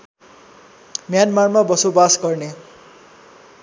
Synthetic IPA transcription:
mjanmarmabʌsobasɡʌrne

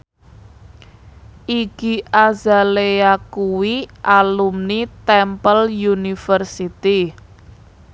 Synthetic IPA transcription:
ʔiɡ̥i̤ʔazaleakuwiʔalumnit̪ɛmpəljunifərsit̪i

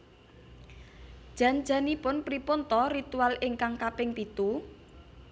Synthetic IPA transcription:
ʒ̥a̤n̥d͡ʒa̤nipʊnpɾipont̪ɔɾit̪ualɪŋkaŋkapɪŋpit̪u

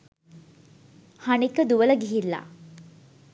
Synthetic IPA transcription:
haɳikːəd̪uʋələɡʱiɦilːa̰

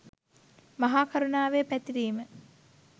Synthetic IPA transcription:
mɐɦaːkʰɐɾunaːʋepæt̪iɾiːmə

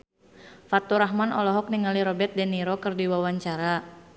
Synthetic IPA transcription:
fat̪uɾaɦmanɔlɔɦɔk̚niŋaliɾɔbɛt̪̚dɛniɾɔkɨrdiwawaɲt͡ʃaɾa

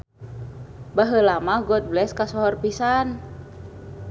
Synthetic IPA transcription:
baɦəlamaɡɔt̪̚blɛskasɔɦɔrpisan

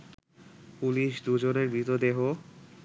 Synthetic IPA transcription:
puliʃd̪ud͡ʑoneɾbɾit̪od̪eɦo

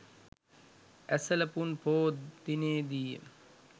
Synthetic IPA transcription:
æsələpunpʰoːd̪ineːd̪iːḛ

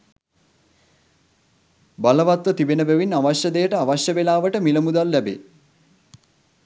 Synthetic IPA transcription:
baləʋat̪ʋət̪ibenəbæʋinaʋaɕjəd̪ejəʈəaʋaʃjəbelaːʋəʈəmiləmud̪alːæbḛ

